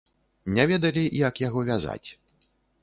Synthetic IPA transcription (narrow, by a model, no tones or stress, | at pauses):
nʲavʲɛd̪ɐlʲijakjaɣɔvʲaza̰t͡sʲ